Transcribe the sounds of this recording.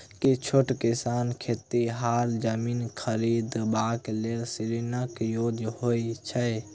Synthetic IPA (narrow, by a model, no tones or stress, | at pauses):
kit͡ʃʰoʈkisaːnkʰet̪ːiɦaɾd͡ʒəminkʰəɾid̪baklelsiɾinəkjod͡ʒhoit͡ʃʰə